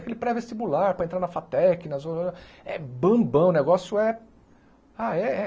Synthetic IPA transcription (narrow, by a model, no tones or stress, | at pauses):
kelɪpɾɛvest͡ʃibulaɾpɾɐẽt̪ɾaɾnɐfat̪ɛkɪnɐzoo | ɛ̰bɐ̃bɐ̃w̃neɡɔsjʊɛ | aɛɛ